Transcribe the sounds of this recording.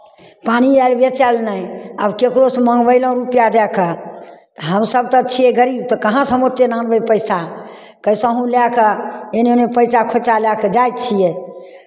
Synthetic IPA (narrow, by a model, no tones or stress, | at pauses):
panialbjet͡ʃalnaja̰bkekɾosməŋɡbəɪlə̃ɾupjad̪ɛkət̪əɦəmsəb̚t̪ət͡ʃʰijɛɡəɾibt̪ɔkəɦãsəmot̪ːenanbəjpəɪsa | kəjsə̃ɦũljakəenonepəjsakʰot͡ʃaljakəd͡ʒajt̪̚t͡ʃʰijɛ